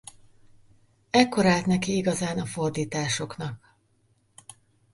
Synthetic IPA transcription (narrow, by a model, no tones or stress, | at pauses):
ɛkːo̞ɾaːlt̪nɛkiiɡɒzaːnɒfo̞rd̪iːt̪aːʃo̞knɒk̚